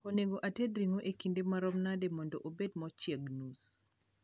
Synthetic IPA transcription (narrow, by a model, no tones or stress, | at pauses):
koneɡoʔatedɾiŋoʔekindemaɾɔmnademɔndɔʔobedmɔt͡ʃjɛɡnus